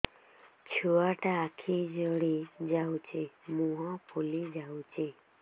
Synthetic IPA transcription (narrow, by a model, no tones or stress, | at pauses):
t͡ʃʰuaʈaːkʰid͡ʒɔɽid͡ʒawt͡ʃʰemũɦɔ̃pʰolid͡ʒawt͡ʃe